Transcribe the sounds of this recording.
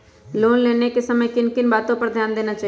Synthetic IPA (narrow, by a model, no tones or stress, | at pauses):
loːnleːnekesɐməjkɪnkɪnbaːt̪õpɐɾd̪ʱjaːnd̪eːnat͡ʃaː